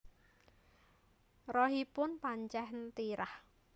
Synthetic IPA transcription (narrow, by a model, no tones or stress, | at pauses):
rɔɦipʊnpaɲt͡ʃɛɦnt̪iɾah